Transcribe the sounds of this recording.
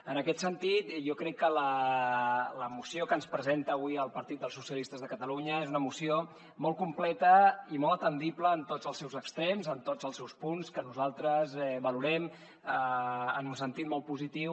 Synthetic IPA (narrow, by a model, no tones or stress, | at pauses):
ənəkɛt̪sənt̪it̪ʒɔkɾɛkːələ | ləmusiokənspɾəzent̪əːβwiəlˠpəɾt̪it̪d̪əlˠsusiəlist̪əzðəkət̪əluɲəezunəmusio | mɔlˠkumplɛt̪əimɔlˠət̪ənd̪ipləːnt̪otd͡zəlˠsɛwzəkst̪ɾɛmzənt̪od͡zəlˠsɛwspunskənuzalˠt̪ɾəzɛβəluɾɛm | əənunsənt̪it̪̚mɔl̚ˠpuzit̪iw